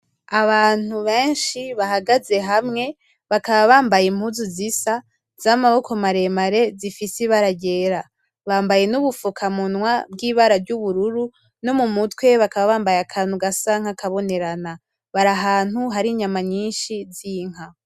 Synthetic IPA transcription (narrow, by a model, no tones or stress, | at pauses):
aβaːn̥uβe̞ːnʃiβahaɡaze̞ɦamŋe̞ | βakaβaβaːmbajimhuzuzisa | z̥amaβo̞kʰo̞maɾe̞maɾe̞zifisiβaɾaɟe̞ːɾa | βaːmbaje̞nuβufukʰamunwabɡiːβaɾavɟuβuɾuɾu | no̞mumutwe̞βakaβaβaːmbajakʰaːn̥huɡasaŋ̥hakʰaβo̞ne̞ɾana | βaɾaɦaːn̥uɦaɾiɲamaɲiːnʃiziŋ̥ɦa